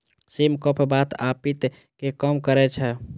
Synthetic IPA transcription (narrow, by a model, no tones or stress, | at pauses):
simkəpʰbat̪apit̪ | kekəmkəɾɛt͡ʃʰɛ